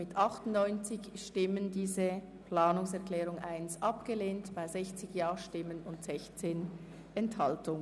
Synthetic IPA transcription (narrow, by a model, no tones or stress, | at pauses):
mɪtʰʔɑχtʊnnɔʏnt͡sɪçʃtɪməndiːzə | plaːnʊŋsɛɐʁkl̥ɛːʁʊŋʔaɪnsʔɑpɡ̥əleːntb̥aɪzɛçt͡sɪçjaːʃtɪmənʊntz̥ɛçt͡seːn | ɛnthɑltʊŋə